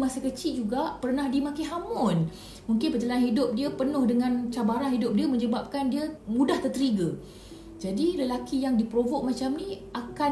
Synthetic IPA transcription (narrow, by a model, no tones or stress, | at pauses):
masəkət͡ʃiʔd͡ʒuɡaʔpərnahdimakiɦamʊn | muŋkɪnpət͡ʃəlanɦidʊp̚diəpənʊhdəŋãnt͡ʃabaɾanɦidʊp̚diəmə̃ɲd͡ʒəbap̚kandiəmũdaht̪ərt̪əɾiɡə | d͡ʒadiləlakijaŋdipɾovoʔ̚mat͡ʃamniʔaka